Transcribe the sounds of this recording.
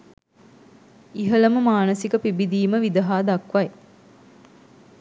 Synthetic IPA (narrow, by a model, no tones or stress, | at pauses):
iɦələməmaːnəsikəpibid̪iːməʋid̪əɦaːd̪ɐkʋaj